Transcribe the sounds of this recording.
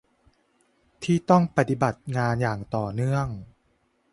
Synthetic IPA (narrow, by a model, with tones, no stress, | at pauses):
t̪ʰiː˥˩t̪ɔ˥˩ŋpa˧t̪i˨˩ba˨˩t̪̚ŋaː˧njaː˨˩ŋt̪ɔː˨˩nɯ˥˩əŋ